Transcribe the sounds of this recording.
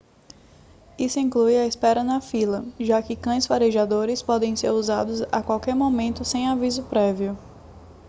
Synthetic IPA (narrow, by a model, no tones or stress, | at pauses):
isʊĩklujaispɛɾɐnɐfilɐʒakɪkɐ̃j̃sfaɾeʒad̪oɾɪspɔd̪ẽj̃seɾuzad̪ʊza̰kwawkɛɾmomẽnt̪ʊsẽj̃avizʊpɾɛviʊ